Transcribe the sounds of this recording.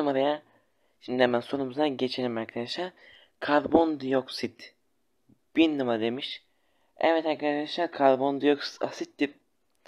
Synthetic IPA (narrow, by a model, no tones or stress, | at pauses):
ɯmaɾɯja | ʃind̪ihɛmænso̞numuzaɟet͡ʃʰelʲimaɾkʰad̪aʃlaɾ | kʰaɾbond̪ɯjoksit̪ | b̥iɾnɯmaɾɯd̪e̞miʃ | ɛ̰vɛt̪ʰankʰaɾkd̪aʃlaɾkʰaɾbo̞nd̪ɯjoksa̰sit̪ːiɾ